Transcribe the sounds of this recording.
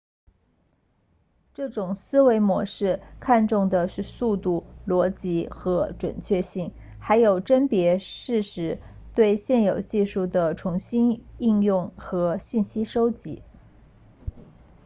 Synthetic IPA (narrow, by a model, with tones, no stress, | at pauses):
ʈ͡ʂɤ˥˩ʈ͡ʂʊ˨˩ŋsɹ̩˥we˧˥ɪmwɔ˧˥ʂɻ̩˥˩kʰa˥˧nʈ͡ʂʊ˥˩ŋd̪ə˩ʂɻ̩˥˧su˥˧t̪u˥˩lwɔ˧˥t͡ɕi˧˥xɤ˧˥ʈ͡ʂwə̰˨˩nt͡ɕʰɥɛ˥˧ɕi˥˩ŋ | xa˧˥ɪjo˨˩ʊʈ͡ʂə˥npjɛ˧˥ʂɻ̩˥˩ʂɻ̩˧˥ | t̪we˥˧ɪɕjɛ˥˩njo˨˩ʊt͡ɕi˥˧ʂu˥˩d̪ə˩ʈ͡ʂʰʊ˧˥ŋɕi˥ni˥˧ŋjʊ˥˩ŋxɤ˧˥ɕi˥˩nɕi˥ʂo˥ʊt͡ɕḭ˧˥